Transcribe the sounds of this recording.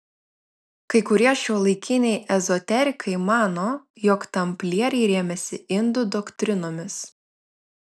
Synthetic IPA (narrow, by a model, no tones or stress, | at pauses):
kɐɪkʊɾʲiɛʃʲuːlˠɐɪkʲɪnʲɛɪʔɛzɔt̪ʲɛɾʲɪkʰɐɪmɑːnoː | jɔkt̪ɐmʲpʲlʲiɛɾʲɛɪɾʲeːmʲɛsʲɪɪnd̪ʊd̪ɔkt̪ʲɾʲɪnoːmʲɪs